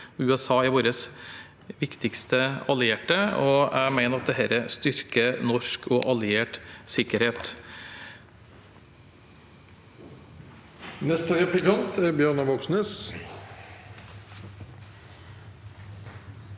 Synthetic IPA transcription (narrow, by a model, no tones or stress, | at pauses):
ʉɛsɑːɪʋoːɾəs | ʋɪkt̪ɪkst̪əɑlɪeːʈəɔæɪmæɪnəɾɑt̪̚d̪ɛɦæːɾəst̪ʏɾkənɔʂkʰɔʔɑlɪeːʈsɪkːəɾheːt̪ | nɛst̪əɾɛplɪkɑnt̪ʰæɾbjøːnɑʋɔksnəs